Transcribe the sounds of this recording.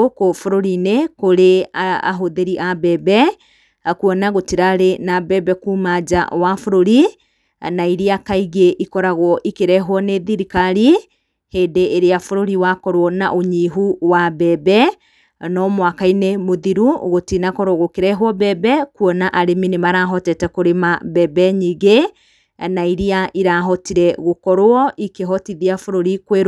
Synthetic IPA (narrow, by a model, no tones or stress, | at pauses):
okofoɾoɾinekoɾeaa̰ɦoðeɾiʔabɛːbɛ | kuɔnaɣotiɾaɾenabɛbɛkumad͡ʒa̰wafoɾoɾi | naiɾiakaiɣeʔikɔɾaɣwɔʔikeɾɛɦwɔneðiɾikaɾi | heːdeːɾeafoɾoɾiwakɔɾwɔna̰ʔoɲiɦuwabɛbɛ | nɔmwakainemoðiɾṵɣotinakɔɾwɔɣokeɾɛɦwɔbɛbɛkwɔnaʔaɾeminemaɾaɦɔtɛtɛkoɾemabɛbɛɲiɣe | naiɾiaʔiɾaɦɔtiɾɛɣokɔɾwɔʔikeɦɔtiðiafoɾoɾikweɾ